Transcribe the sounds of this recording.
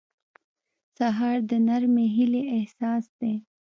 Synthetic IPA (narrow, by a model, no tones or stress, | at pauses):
saɦɑːɾd̪ənaɾmeɦɪleʔehsɑːsd̪e